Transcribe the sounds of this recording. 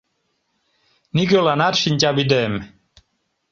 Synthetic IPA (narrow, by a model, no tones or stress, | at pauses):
niɡolanaɾʃint͡ɕabid̪ɛm